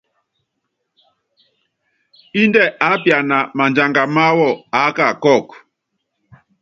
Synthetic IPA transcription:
i˦ndɛ˦˨ʔa˨˦pja˨na˨ma˨nd͡ʒa˨ŋɡa˨ma˦wɔ˦˨a˨˦ka˦˨kɔ˦˨k

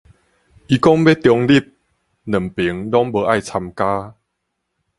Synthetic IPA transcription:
ʔi˧kɔ˦ŋbe˦˥t̪jɔ˧ŋli˥˩p̚ | nə˨˩mpi˨˦ŋlɔ˦˥ŋbə˧ʔa˥˨jt͡sʰa˧mkaː˦

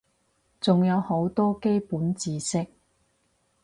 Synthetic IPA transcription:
t͡sʊ˨ŋjɐ˨˧who˨˥wt̪ɔː˥ke˥jpuː˨˥nt͡siː˨˧sɪ˥k̚

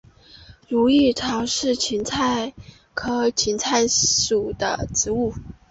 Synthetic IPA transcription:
ɻu˧˥i˥˩ʈ͡ʂʰɑ˧˥ʊʂɻ̩˥˩t͡ɕʰi˧˥nt͡sʰa˥˩ɪ | kʰɤ˥t͡ɕʰi˧˥nt͡sʰa˥˩ɪʂu˨˩d̪ə̰˦ʈ͡ʂɻ̩˧˥u˥˩

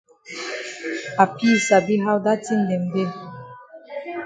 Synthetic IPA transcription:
a˨pi˦sa˨bi˦ɦa˦wda˦ti˦n̩˨dɛ˨mde˦˨

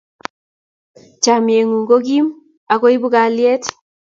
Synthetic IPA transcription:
t͡ʃa˨mje˨ŋu˨ŋɡo˦ɡi˦m | a˨ko˦i˦bu˦ɡa˨ljɛ˦t

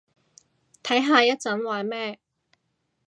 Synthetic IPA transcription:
t̪ʰɐ˨˥jɦaː˧jɐ˥t̚t͡sɐ˨˥nwaː˨˩mɛː˥

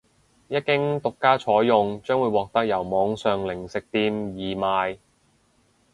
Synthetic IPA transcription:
jɐ˥t̚kɪ˥ŋt̪ʊ˨kːaː˥t͡ʃʰɔː˨˥jjʊ˨˧ŋt͡ʃœː˥ŋwuː˨˧jwɔː˨k̚t̪ɐ˥k̚jɐ˨˩wmɔː˨˧ŋsœː˨ŋlɪ˨˩ŋsɪ˨k̚t̪iː˧mjiː˨maː˨˧j

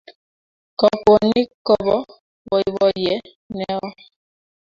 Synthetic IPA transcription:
kɔ˨ko˨ni˦kɔ˨bɔ˦ | bɔ˨i˨βɔ˦jɛ˦ | nɛ˦ɔ˦

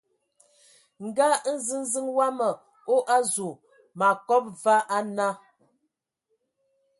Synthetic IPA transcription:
ŋ̩˨ɡa˦n̩˦zɨ˦n˦zi˦ŋwa˦mə˨ | o˦ʔa˦zu˨ | ma˨kɔ˦p̚va˦ʔa˦na˦

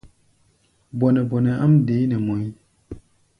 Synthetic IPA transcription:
bɔ˨nɛ˨bɔ˨nɛ˨a˦mde˨˦nɛ˨mo˨˦

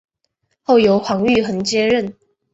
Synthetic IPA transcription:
xo˥˩ʊjo˧˥ʊxɑ˧˥ŋy˥˨xə˨˩˦nt͡ɕjɛ˥ɻə˥˨n

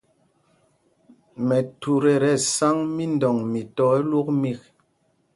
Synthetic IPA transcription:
mɛ˨tu˨ɾe˨ɾɛ˨sa˦ŋmi˦ndɔ˨ŋmi˨tɔ˨˦e˦lu˦k̚mi˦˨k̚

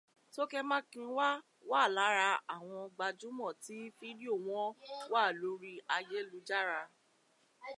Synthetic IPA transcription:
to˦kɛ˦mã˦kĩ˧˦wa˦ | waː˦˨la˨˦ɾa˧a˦˨w̃ɔ̃˧ɡ͡ba˧d͡ʒũ˨˦mɔ̃˦˨ti˨˦fi˦di˦o˦˨w̃ɔ̃˦waː˦˨lo˨˦ɾi˦a˧je˦lu˧˦d͡ʒa˦ɾa˧

